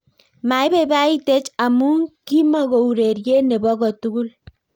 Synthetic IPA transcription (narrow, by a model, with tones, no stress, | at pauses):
ma˨i˦be˦˨ba˦i˦te˦t͡ʃa˨mu˦ŋki˦mɔ˦ɣo˨u˨ɾe˨ɾje˦ne˨bɔ˦ɣɔ˨tu˦ɡu˦l